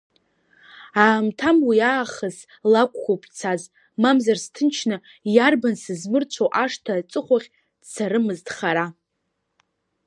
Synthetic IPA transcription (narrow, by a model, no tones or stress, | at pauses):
aːmtʰamwiaːχəz | lakʷʼkʷopʰt͡sʰaz | mamzarstʰɨnt͡ʃʰnɨ | jarbansɨzmɨrt͡ʃʷʰowʔaʂtʰat͡sʼɨχʷaχʲ | d̥saɾɨmɨztχaɾa